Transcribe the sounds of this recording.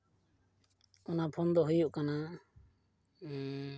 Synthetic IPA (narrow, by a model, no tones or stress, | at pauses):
ɔnapʰɔnd̪ɔɦujuʔkana